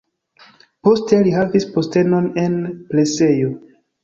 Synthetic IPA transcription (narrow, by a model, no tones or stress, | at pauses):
po̞ste̞liɦavispo̞ste̞no̞ne̞nple̞se̞jo